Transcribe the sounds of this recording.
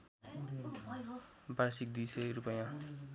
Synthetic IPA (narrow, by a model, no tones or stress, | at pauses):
basik̚d̪isʌjɾupʌjã